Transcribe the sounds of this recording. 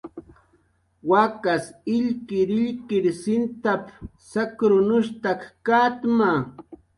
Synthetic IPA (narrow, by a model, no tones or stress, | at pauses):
wakasɪʎkɪɾɪʎkɪɾsɪnt̪ap | sakɾʊnʊʃt̪akkat̪ma